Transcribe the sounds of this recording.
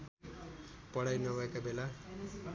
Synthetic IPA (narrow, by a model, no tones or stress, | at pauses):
pʌɽajnʌbʌekabela